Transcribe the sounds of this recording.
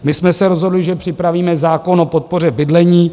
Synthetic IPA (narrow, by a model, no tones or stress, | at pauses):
mɪsmɛsɛɾo̞zɦodlɪʒɛpr̝̥ɪpɾaviːmɛzaːko̞no̞po̞t̪̚po̞r̝ɛbɪdlɛɲiː